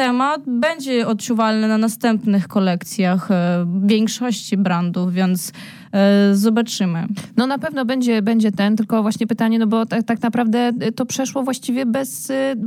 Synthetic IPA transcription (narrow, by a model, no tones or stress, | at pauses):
t̪ɛmat̪bɛɲd͡ʑɛɔt̪̚t͡ʂuvalnɘnanast̪ɛmpnɘxkɔlɛkt̪sʲjaxvʲjɛŋkʂɔɕt͡ɕibɾand̪ufvʲjɛnt̪s | zɔbat͡ʂɘmɘnɔnapɛvn̪ɔbɛɲd͡ʑɛbɛɲd͡ʑɛt̪ɛnt̪ɘlkɔvwaɕɲɛpɘt̪aɲɛnɔbɔt̪at̪aknapɾavd̪ɛt̪ɔpʂɛʂwɔvwaɕt͡ɕivʲjɛbɛs